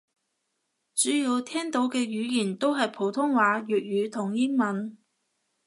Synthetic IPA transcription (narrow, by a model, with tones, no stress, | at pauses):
t͡ʃyː˨˥jiː˨˧wt̪ʰɛː˥ŋt̪o˨˥wkɛː˧ɥyː˨˧jiː˨˩nt̪o˥wɦɐ˨jpʰo˨˥wt̪ʰʊ˥ŋwaː˨˧˥ɥyː˨t̚ɥyː˨˧t̪ʰʊ˨˩ŋjɪ˥ŋmɐ˨˥n